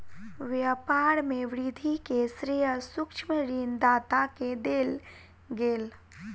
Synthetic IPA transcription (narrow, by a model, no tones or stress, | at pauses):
ʋjəpaːɾmẽʋɾid̪ʱikesɾiəsʊkʃməɾiːnd̪aːt̪aked̪eːl | ɡeːl